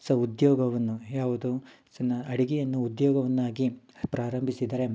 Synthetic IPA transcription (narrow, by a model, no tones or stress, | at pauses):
sɐud̪jɔːɡɐʋɐnːujaːʋud̪uid̪ɐnːɐɐɽiɡijɐnːuːd̪jɔːɡɐʋɐnːaːɡi | pɾaːɾɐmbʱisid̪ɐɾe̞